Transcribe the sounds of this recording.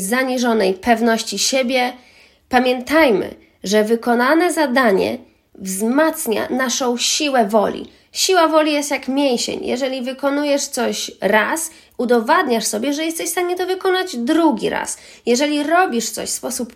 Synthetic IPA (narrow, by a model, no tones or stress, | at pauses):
zaɲiʐɔnɛjpɛvnɔɕt͡ɕiɕebʲjɛ | pamʲjɛnt̪ajmɘ̰ | ʐɛvɘkɔnanɛzad̪aɲɛ̰ | vzmat̪sɲa̰naʂɔ̃w̃ɕiwɛvɔlʲḭ | ɕiwavɔlʲijɛst̪jakmʲjejɕḛɲjʔɛ̰ʐɛlʲivɘkɔnujɛʂt̪sɔɕɾas | ud̪ɔvad̪ɲaʂsɔbʲjɛʐɛjɛst̪ɛɕfst̪aɲɛt̪ɔvɘkɔnad͡ʑd̪ɾuɡʲiɾa̰s | jɛʐɛlʲiɾɔbʲiʂt̪sɔ̰ɕspɔsup